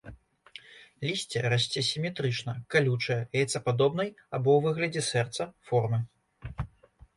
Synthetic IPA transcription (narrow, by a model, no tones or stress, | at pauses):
lʲisʲt͡sʲɛɾasʲt͡sʲɛsʲimʲɛt̪ɾɨt͡ʂnɐkalʲut͡ʂɐjɐɛjɛt̪sɐpad̪ɔbnɐjabɔwvɨɣlʲɐd͡zʲɛsɛrt̪sɐfɔrmɨ